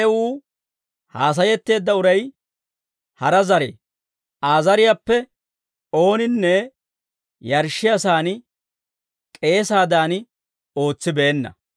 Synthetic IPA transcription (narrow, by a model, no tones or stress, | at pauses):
ɛwuː | haːs̬ɐjɛt̪ːe̞ːd̪ːɐʊɾɐj | hɐɾɐzɐɾḛː | ʔaːzɐɾɪjapːɛ | o̞ːnɪnːɛ | jɐɾʃɪɐsaːn | kʼe̞ːsaːd̪aːn | o̞ːt͡sːɪbeːnːɐ̰